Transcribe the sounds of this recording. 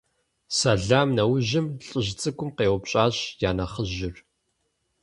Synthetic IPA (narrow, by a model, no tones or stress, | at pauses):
saɮaːmnɐwʊʑɪmɬʼɪʑt͡sʼɨkʷʊmqeːwʊpɕʼaːɕjaːnɐχəʑɪr